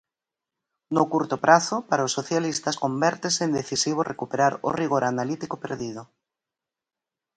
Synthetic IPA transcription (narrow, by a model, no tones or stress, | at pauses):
nokuɾt̪opɾʔaθopaɾaosoθjalist̪askombɛɾt̪eseːnd̪eθisiβ̞orʔekupeɾaɾo̰riɣ̞oɾanalit̪ikopḛɾðið̞o